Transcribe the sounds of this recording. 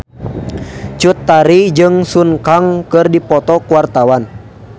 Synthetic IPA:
t͡ʃut̪ːaɾid͡ʒɨŋsunkaŋkɨrdipɔt̪ɔkuwart̪awan

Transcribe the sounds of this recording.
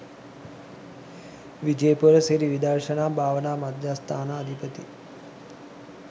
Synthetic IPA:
ʋid͡ʒeːpuɾəseɾiʋid̪arʃənaːbʱaːʋənaːmad̪jast̪ʰaːnaːd̪ʱipət̪ḭ

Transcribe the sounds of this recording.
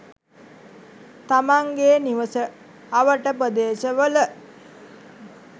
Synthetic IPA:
t̪amaŋɡeːniʋəsə | aʋəʈəpɾəd̪eːʃəʋələ

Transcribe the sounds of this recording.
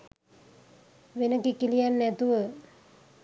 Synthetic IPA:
ʋenəkikilijanːɛt̪uʋə

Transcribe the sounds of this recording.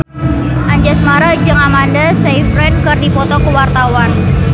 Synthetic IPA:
ʔaɲd͡ʒasmaɾad͡ʒɨŋamandasejfɾɛnkərdipɔt̪ɔkəwart̪awan

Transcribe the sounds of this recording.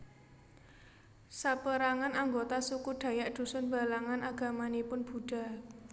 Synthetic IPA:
sapəɾaŋanaŋɡot̪asukuɖ̥ä̤jaʔd̪̥ṳsʊnba̤laŋanʔaɡ̥a̤manipʊnb̥ṳɖ̥a̤

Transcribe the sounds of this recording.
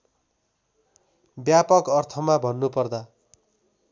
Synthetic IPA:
bjapʌkʌrt̪ʰʌmabʱʌnːupʌrd̪a

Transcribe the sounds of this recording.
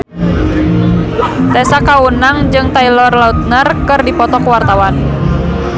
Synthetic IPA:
t̪ɛsakaunaŋd͡ʒɨŋt̪ailɔrlaut̪̚nərkɨrdipɔt̪ɔkuwart̪awan

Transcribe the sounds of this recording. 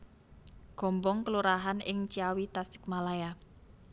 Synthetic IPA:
ɡ̥ɔ̤mbɔŋkəluɾaɦanɪŋt͡ʃiawit̪asɪ̥k̚malaja

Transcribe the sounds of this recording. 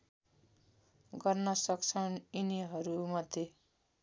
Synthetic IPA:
ɡʌrnʌsʌkt͡sʰʌniniɦʌɾumʌd̪ʱje

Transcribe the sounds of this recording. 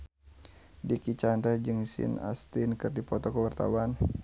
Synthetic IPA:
dikit͡ʃanɾɛhd͡ʒɨŋsḭna̰st̪ɪnkɨrdipɔt̪ɔkəwart̪a̰wan

